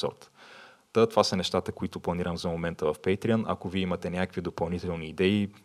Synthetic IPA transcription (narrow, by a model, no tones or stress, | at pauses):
sɔ̰ɾt̪ | t̪ət̪ovasənɛʃt̪at̪əkoit̪ʊplˠɐniɾəmzɐmomɛnt̪əvɐfpɛjt̪ɾiənʔɐ̰koviɛimɐt̪ɛnʲjakəkvid̪opɐlˠnit̪ɛlˠniːd̪ɛi